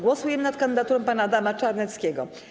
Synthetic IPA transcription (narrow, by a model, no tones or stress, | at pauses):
ɡwɔsujɛmɘnat̪̚kand̪ɘd̪at̪uɾɔ̃m̃panaːd̪amat͡ʂaɾnɛt̪skʲɛɡɔ̰